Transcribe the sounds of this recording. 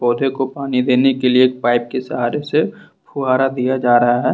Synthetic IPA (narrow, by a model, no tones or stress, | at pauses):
bɔːd̪ʱekopaːnid̪eːnekelieːk̚paːɪp̚kesɐɦaːɾese | pʰuɦaːɾad̪ijad͡ʒaːɾɐɦaɦɛː